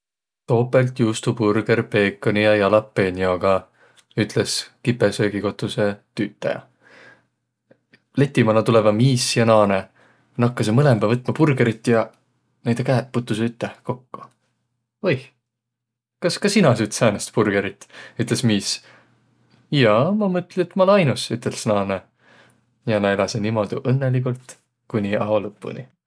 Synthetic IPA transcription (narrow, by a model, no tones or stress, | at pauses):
t̪o̞ːpːˑe̞lt̪juːst̪upurɡ̥e̞ɾpe̞ːkːˑonijɑjɑlɑpːe̞nʲioɡ̥ɑ | yt̪ˑleskipːˑesø̞ːɡiko̞t̪ːˑuse̞t̪yːt̪ːˑɑ̰jɑ̰ | le̞t̪ːˑimɑnlɑt̪ule̞vɑmiːsjɑnɑːne | nɑkːɑsemɤlemb̥ɑvɤt̪ːˑmɑpurɡ̥eɾit̪ːˑjɑ | nejd̪̥ekæːt̪̚put̪ːˑusyt̪ːeko̞kːu̥ | ojh | kɑskɑsinɑsyt̪sæːnest̪purɡ̥eɾit̪ːˑyt̪ˑlesmiːs | jɑːmɑmɤt̪ːˑlit̪ːmɑlɑjnusyt̪ːˑe̞lsnɑːne | jɑnæjlɑsenimo̞d̪̥uʔɤnːelik̬ult̪ | kunʲiɑolɤpːṵni